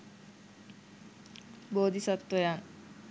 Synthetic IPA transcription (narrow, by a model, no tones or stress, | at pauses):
boːd̪isat̪wəjaŋ